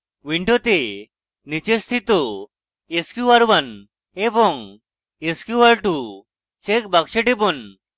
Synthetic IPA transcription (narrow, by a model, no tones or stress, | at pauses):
ʋiɳʈot̪e | nit͡ɕest̪ʰit̪ɔ | eskjuaɾʋan | ebɔŋ | eskjuaɾʈu | t͡ɕek̚bakɕeʈepɔn